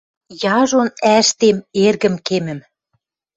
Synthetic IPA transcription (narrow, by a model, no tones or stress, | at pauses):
jɑʒonæʃt̪emerɣə̆mkemɘ̆m